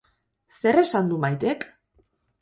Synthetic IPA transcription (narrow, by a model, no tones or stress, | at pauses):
se̞ɾe̞sand̪umajt̪e̞k